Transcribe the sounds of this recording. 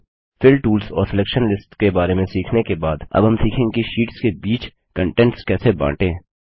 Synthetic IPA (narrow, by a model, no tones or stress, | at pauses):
fɪlʈuːlsɔ̰ːɾsɪlɛːkʃənlɪsʈkebaːɾemẽsiːkʰnekebaːd̪ɐ̰bɦɐmsiːkʰẽŋkiʃiːʈskebiːt͡ʃ | kə̃ɳʈɛ̃ɳʈskɛːsebã̰ːʈẽː